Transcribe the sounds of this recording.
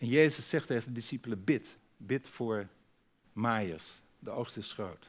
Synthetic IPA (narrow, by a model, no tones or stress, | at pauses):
ɛnjejzəsːɛχteχəndədɪsipələbɪt | bɪtfʊːɹ | maːjəs | dəowχstəɪsχrowt